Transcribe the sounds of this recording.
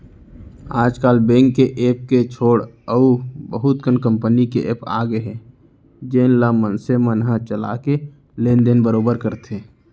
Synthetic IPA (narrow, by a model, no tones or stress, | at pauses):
aːd͡ʒkaːlbẽːŋkːeʔeːp̚ket͡ʃʰoːɽəubəɦʊt̪kənkə̃mpənikeʔeːpa̰ːɡeɦe | d͡ʒeːnlamənsemənɦãt͡ʃəla̰ke | lẽːnd̪enbəɾoːbəɾkəɾt̪ʰeː